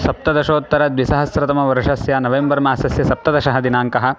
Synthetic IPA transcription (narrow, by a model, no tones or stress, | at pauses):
sɐp̚t̪ɐd̪ɐʃoːt̪ːɐɾɐd̪ʋisɐɦɐsɾɐt̪ɐmɐʋɐɾɐʂɐsjaːnɐʋembɐɾmaːsɐsjɐsɐp̚t̪ɐd̪ɐʃɐɦɐd̪inaːŋkɐɦɐ̆